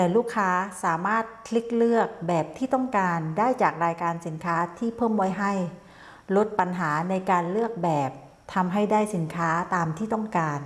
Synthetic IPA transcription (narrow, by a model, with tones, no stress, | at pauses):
t̪ɛː˨˩luː˥˩kʰːaː˦˥saː˩˦maː˥˩t̪̚kʰli˦˥k̚lɯ˥˩ək̚bɛː˨˩p̚t̪ʰiː˥˩t̪ɔ˥˩ŋkaː˧ndaː˥˩jt͡ɕaː˨˩k̚ɾaː˧jkaː˧nsi˨˩˦nkʰaː˦˥t̪ʰiː˥˩pʰɤː˥˩˨mwɔː˧˩jɦa˥˩j | lo˦˥t̪̚pa˧nɦaː˩˦na˧jkaː˧nlɯ˥˩ək̚bɛː˨˩p̚ | t̪ʰa˧mɦa˥˩jdaː˥˩jsi˩˦nkʰaː˦˥t̪aː˧mt̪ʰiː˥˩t̪ɔ˥˩ŋkaː˧n